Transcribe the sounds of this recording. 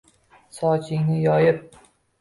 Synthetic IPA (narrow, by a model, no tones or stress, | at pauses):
sɒt͡ʃʰɪŋʲnɪjɒjɪp̚